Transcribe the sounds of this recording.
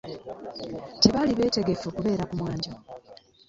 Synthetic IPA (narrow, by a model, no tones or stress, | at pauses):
te̞βaliβe̞ːte̞ɡe̞foːkuβe̞ːɾakumwaːɲɟo